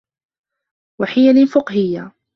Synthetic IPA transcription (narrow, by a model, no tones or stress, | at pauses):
waħɪjalɪfɪqhɪjːa